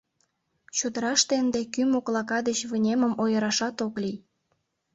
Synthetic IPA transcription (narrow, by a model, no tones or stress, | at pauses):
t͡ɕud̪əɾɑʃt̪end̪ekymoklɑkɑd̪et͡ɕβənʲeməmojəɾɑʃɑt̪oklij